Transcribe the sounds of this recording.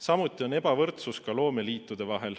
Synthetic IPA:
sɑmut̪ːˑio̞ne̞bɑvɤrt̪suskɑlo̞ːme̞liːt̪ːˑud̪̥e̞vɑɦe̞l

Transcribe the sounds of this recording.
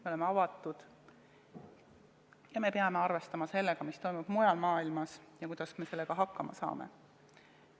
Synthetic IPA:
meo̞le̞meɑvɑt̪ːˑud̪̥ | jɑme̞peɑme̞ɑrve̞st̪ɑmɑse̞lːeɡ̥ɑmist̪o̞jmub̥mujɑlmɑːilmɑsjɑkujd̥̪ɑsme̞se̞lːeɡ̥ɑɦɑkːɑmɑsɑ̰ːmḛ

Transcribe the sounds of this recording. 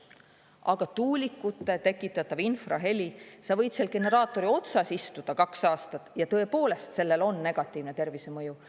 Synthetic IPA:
ʔɑɡ̥ɑt̪uːlʲikːˑut̪ːe̞t̪e̞kːˑit̪ːˑɑt̪ːˑɑvinfrɑ̰ɦe̞lʲisɑvɤjd̪̥se̞lke̞ne̞ɾɑːt̪ːˑo̞ɾio̞t̪sɑsist̪ud̪̥ɑkɑksɑːst̪ɑt̪ːˑjɑt̪ɤ̞e̞po̞ːle̞st̪se̞lːe̞lo̞nːe̞ɡ̥ɑt̪ːˑiːvnet̪e̞rvise̞mɤju

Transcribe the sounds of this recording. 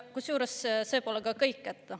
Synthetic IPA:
kusjuːɾesse̞ːpolekɑkɤjkːæt̪ːɑ

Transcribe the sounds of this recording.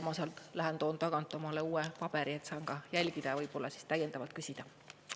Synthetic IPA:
mɑsɑlt̪læɦent̪o̞ːnt̪ɑɡ̥ɑnt̪ːˑomɑleuːepɑb̥e̞ɾie̞t̪sɑːŋkɑjælʲɡid̪̥ɑvɤjb̥o̞lːɑsi̥st̪æjːend̪ɑvɑlt̪̚kysʲid̪̥ɑ

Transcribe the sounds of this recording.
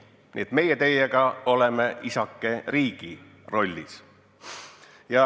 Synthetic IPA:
nʲḭet̪me̞jet̪e̞jeɡɑo̞lemeʔisɑkːe̞riːɡ̥i | ro̞lʲːis | jɑ

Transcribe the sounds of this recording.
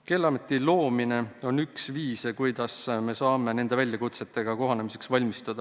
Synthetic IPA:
ke̞lːɑmet̪ːˑilo̞ːmine̞o̞nyksviːskujd̪̥ɑsme̞sɑːme̞ne̞nd̪e̞vælʲjɑkut̪se̞t̪ːˑe̞ɡ̥ɑko̞ɦɑne̞mise̞ksvɑlʲmist̪ɑd̪̥ɑ

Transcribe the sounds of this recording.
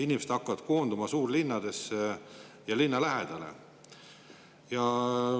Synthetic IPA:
inʲimesed̪ɑkːˑɑvɑd̪̥̚ko̞ːnd̪umɑsuːrlinːɑd̪̥e̞se | jɑlinːɑlæɦed̪̥ɑle̞̰ | jɑ

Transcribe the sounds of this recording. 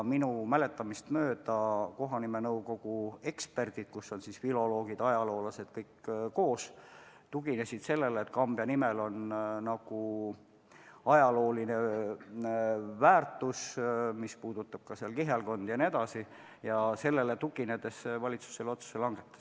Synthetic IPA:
minumæle̞t̪ːˑɑmist̪mø̞ːd̪̥ɑko̞ɦɑnime̞nɤuwko̞ɡ̥ue̞kspe̞rd̪̥id̪̥kusːo̞nsisfilo̞lo̞ːɡ̥id̪̥ɑjɑlo̞ːlɑse̞d̪̥kɤjkːko̞ːs | t̪uɡ̥ine̞sid̪̥se̞lːe̞lːt̪kɑmbjɑnimelo̞nnɑɡ̥u | ɑjɑlo̞ːline̞ | væːrt̪ˑusmispuːd̪̥ut̪ːˑɑb̥̚kɑseɑlkiɦelko̞nd̪̥jɑne̞d̪ɑsi | jɑse̞lːe̞let̪uɡined̪̥e̞svɑlʲit̪su̥se̞lo̞t̪su̥selɑŋɡ̥et̪ːˑɑ̥s

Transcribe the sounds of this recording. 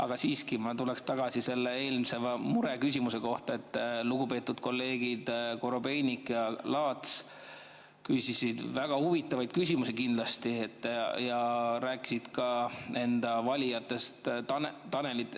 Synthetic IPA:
ɑɡ̥ɑsiːskimɑt̪ulekst̪ɑɡ̥ɑsise̞lːe̞e̞ːlmsevɑmuɾe̞kysʲimuse̞ko̞ht̪ɑe̞t̪ːluɡ̥upe̞ːt̪ːˑud̪̥ko̞lːe̞ːɡ̥id̪̥ko̞ɾo̞be̞jnikjɑlɑːt̪s | kysisid̪̥væɡ̥ɑhuvit̪ːˑɑvɑjd̪̥̚kysʲimusikind̪̥lɑst̪iet̪ːˑjɑɾæːkːˑi̥sid̪̥kɑe̞nd̪̥ɑvɑlʲijɑt̪ːˑe̞st̪ɑnt̪ɑne̞lit̪

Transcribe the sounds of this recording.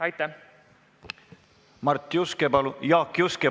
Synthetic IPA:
ɑjt̪ːæ | mɑrt̪ːjuskebɑlujɑːkːjuske

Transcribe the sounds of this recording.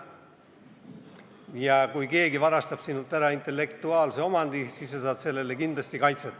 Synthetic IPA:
jɑkujke̞ːɡivɑɾɑst̪ɑb̥sinːut̪ːˑæɾɑint̪e̞lːe̞kt̪uɑːlse̞o̞mɑnd̪̥isisːesɑːd̪̥se̞lːe̞lekind̪lɑst̪ikɑjt̪set̪ːˑ

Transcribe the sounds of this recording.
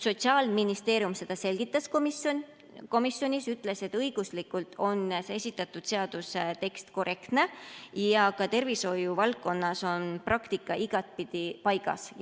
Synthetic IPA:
so̞t̪siɑːlminist̪e̞ːɾjumse̞d̪̥ɑse̞lʲɡ̥it̪ːˑɑskomion | ko̞misjo̞nʲisyt̪ːˑle̞se̞t̪ːɤjɡ̥uslikult̪ʰo̞nseesʲit̪ːˑɑt̪ːˑud̪̥se̞ɑd̪̥uset̪e̞kst̪ko̞rʔe̞kt̪ne̞jɑkɑt̪e̞rviso̞juvɑlkːo̞nːɑso̞nprɑkt̪ikːˑɑʔiɡ̥ɑt̪̚pid̪̥ipɑjɡ̥ɑ̰s

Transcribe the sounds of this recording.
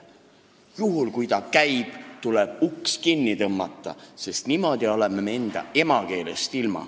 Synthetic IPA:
juɦulkujt̪ɑkæjb̥t̪uleb̥ukskinːit̪ɤmːɑ̰t̪ˑːɑ̰se̞st̪nimo̞d̪̥iolememeend̪̥ɑ̰e̞mɑke̞ːle̞st̪ilmɑ̰

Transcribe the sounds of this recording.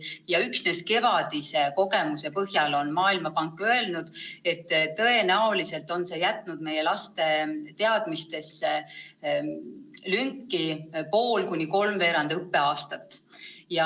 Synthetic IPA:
jɑyksne̞ske̞vɑd̪̥iseko̞ɡe̞muse̞pɤɦjɑlo̞nmɑːilmɑpɑŋkːˑø̞e̞lnud̪̥e̞t̪ːtːɤenæolise̞lt̪ːˑo̞nse̞jæt̪ːˑnud̪̥me̞je̞lɑst̪e̞t̪e̞ɑd̪̥mist̪e̞se | lyŋkːˑipo̞ːlkunʲiko̞lmve̞ːɾɑnd̪eɯpːe̞ɑːst̪ɑt̪ːˑjɑ

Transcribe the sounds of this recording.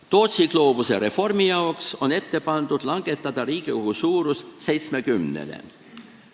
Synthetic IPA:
t̪o̞ːt̪siɡ̥lo̞ːb̥useɾe̞fo̞rmijɑokso̞ne̞t̪ːe̞pɑnd̪̥ud̪̥lɑŋɡ̥e̞t̪ːˑɑd̪̥ɑɾiːɡ̥iuɦusuːɾusse̞jt̪sme̞kymnḛlḛ

